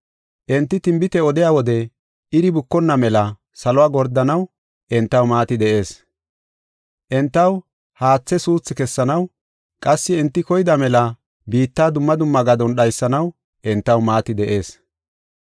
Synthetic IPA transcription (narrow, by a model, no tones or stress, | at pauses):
ʔɛnt̪ːɪt̪ɪmbɪt̪ɛɔd̪ɪjaːwɔd̪ɛ | ʔɪɾɪbʊkːɔnːɐmɛlɐ | sɐlɔwaːɡɔɾd̪ɐnɐw | ʔɛnt̪ːɐwmaːt̪ɪd̪ɛʔe̞ːs | ʔɛnt̪ːɐw | haːt͡sːɛsuːt͡sːɪkɛsːɐnɐw | kʼɐsːɪɛnt̪ːɪkɔjɪd̪ɐmɛlɐ | biːt̪ːaːd̪ʊmːɐd̪ʊmːɐɡɐd̪ɔnɗɐjsːɐnɐw | ʔɛnt̪ːɐwmaːt̪ɪd̪ɛʔe̞ːs